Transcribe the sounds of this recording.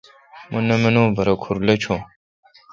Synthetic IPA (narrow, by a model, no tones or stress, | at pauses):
munɐmɐnoːbɐɾɐkʰuɾlɐt͡ʃʰo